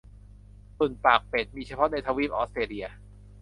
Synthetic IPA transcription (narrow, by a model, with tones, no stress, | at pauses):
su˨˩npaː˨˩k̚pe˨˩t̪̚miː˧t͡ɕʰa˧pʰɔ˦˥na˧jt̪ʰaː˧wiː˦˥˩p̚ʔɔː˦˥t̪ɾeː˧li˧ɐ